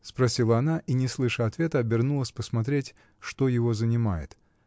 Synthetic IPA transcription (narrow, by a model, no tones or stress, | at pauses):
spɾɐsʲilˠəɐnaʔinʲɪslˠɨʂəɐt̪vʲe̞t̪əɐbʲɪrnulˠəsʲpəsmɐt̪ɾʲetʲ | ʂt̪ojɪvo̞zənʲɪmajɪ̰t̪